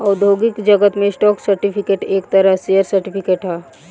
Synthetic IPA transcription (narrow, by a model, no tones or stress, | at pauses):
ɔːɾd̪ʱoɡikd͡ʒəɡət̪mẽsʈɔːksəɾʈipʰikeːʈeːkt̪əɾəɦsejəɾsəɾʈipʰikeːʈɦa